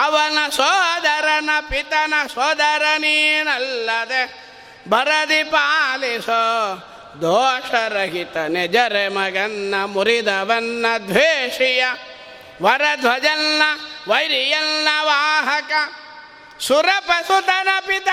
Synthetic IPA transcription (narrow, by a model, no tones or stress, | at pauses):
ɐʋɐnɐsɔːd̪ɐɾɐnɐpit̪ɐnɐsɔːd̪ɐɾɐninɐlːɐd̪e | bʱɐɾɐd̪ipaːliso | d̪ʱɔːʂɐɾɐɡit̪ɐned͡ʒɐɾemɐɡɐnːɐmuɾid̪ɐʋɐnːɐd̪ʋeːʂijɐ | ʋɐɾɐd̪ʱʋɐd͡ʒɐnːɐʋɐjɾijɐnːɐʋaːɦɐkɐ | suɾɐpɐsut̪ɐnɐpit̪ɐ